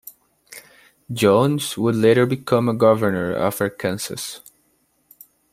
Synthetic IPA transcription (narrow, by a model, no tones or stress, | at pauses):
d͡ʒõʊ̃nzwʊdleɪɾə˞bɨkʰʌ̃məɡʌvə˞nə̰˞ʌ̰və˞kʰɛ̃nsɨ̰s